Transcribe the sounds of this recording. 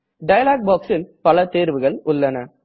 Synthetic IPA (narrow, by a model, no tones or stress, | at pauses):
ɖɐjɐlaːɡ̚baːksɪlpɐlɐt̪eːɾʋɯɣɐɭʊɭːɐnɐ